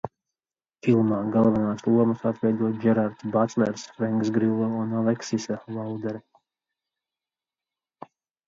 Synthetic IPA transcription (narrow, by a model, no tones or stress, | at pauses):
filˠmaːɡalˠvanaːslˠuɔməsat̪vɛjd̪uɔt̪d͡ʒɛɾaɾt̪sbat̪lɛ̰ɾsfɾɛŋksɡɾilˠːɛunalˠɛksisalalˠd̪ɛɾɛ